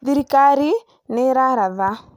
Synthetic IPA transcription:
ðiɾikaɾi | nɛɾaɾaða

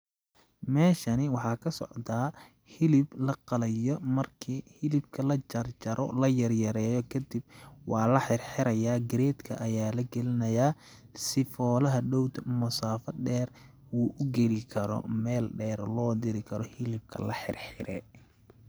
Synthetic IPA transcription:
mɛːʃɐnɪwɑħɑːkʰɐsɔ̰ʕd̪aː | hɪlɪblɐqɑlɐjɔmɐrkʰiːhɪlɪb̚kʰɐlɐt͡ʃɐrt͡ʃɐɾɔ̰lɐjɐrjɐɾɛːjɔkʰɐd̪ɪb̚wɑːlɐħɪrħɪɾɐjaːɡɪɾɛːt̪kʰɐ̰ʔɐjaːlɐɡɛlɪnɐjaː | sɪfɔːlɐɦɐɖɔwt̪ʰmʊsaːfɐɖɛːr | uːʔʊɡɛlɪkʰɐɾɔ̰mɛːlɖɛːɾlɔːd̪ɪɾɪkʰɐɾɔhɪlɪb̚kʰɐ̰lɐħɪ̰rħɪɾʔɛː

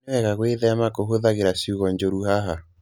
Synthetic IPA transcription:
ɛɣaɣweðɛamakoɦoðaɣeɾasiuɣɔɲd͡ʒoɾuhaɦa

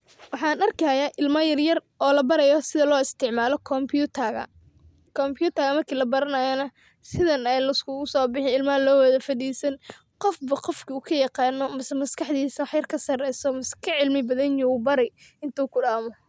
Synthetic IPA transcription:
wɑħɑːnɐrkʰɐjaːʔɪlmɐjɐrjɐrʔɔːlɐbɐɾɛjɔsɪðɐlɔːɪst̪ʰɪʕmaːlɔkʰɔmpʰut̪ʰɐɣɐ̰ | kʰɔmpjuːt̪ʰɐɣɐmɐrkʰiːlɐbɐɾɐnɐjɐnɐ | sɪðɐnɛjlɐɪskʰʊɣʊsɔːbɪħɪnɪlmɐɐlɔːwɐðɐfɐðiːsɐn | qɔfbɐqɔfkʰɐuːkʰɐjɑqɑːnːɔmɐsmɐskʰɑħd̪iːsɐwɑħjɐrkʰɐsɐrɛjsɔmɐskʰɐʕɪlmɪbɐðɐnjuuːbɐɾɛj | ɪnt̪ʰuːkʰʊɽaːmɔ

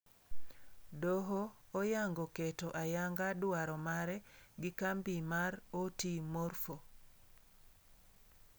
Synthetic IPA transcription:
doɦoːjaŋɡoketoʔajaŋɡadʊaɾɔmaɾɛɡɪkambimaɾotimorfo

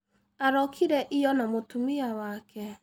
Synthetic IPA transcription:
aɾɔkʰiɾɛʔijɔnamotumiawakɛ

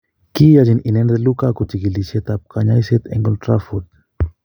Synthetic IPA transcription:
kijad͡ʒininɛnd̪elukakut̪ikiliset̪ap̚kaɲajset̪ɛ̰ŋɡɔltɾafut̪̚

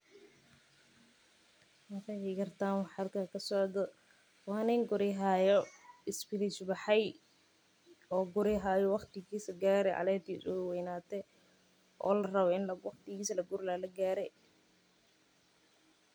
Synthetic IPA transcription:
mɐkʰɛjɪɡɐrt̪ʰaːnwɑħɐlkʰakʰɐsɔʕd̪ɔ | wɑːnɛːŋɡʊɾɪɦaːjɔɪsbɪɾɪsbɑħɛj | ɔːɡʊɾɪɦaːjɔwɑqt̪ɪɣiːsɐɡaːɾɛʕɑ̰lɛːt̪ʰisʊwɛjnaːt̪ʰɛ | ʔɔ̰ːlɐrɐβɛɪnlɐwɑqt̪ɪɣiːsɐlɐɡʊɾlaːlɐɡaːɾɛ

